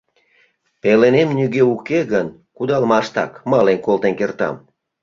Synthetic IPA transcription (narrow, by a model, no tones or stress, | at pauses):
pelenemnyɣeukeɣən | kud̪ɑlmɑʃt̪ɑ̰kmɑlenkolt̪enkert̪ɑ̰m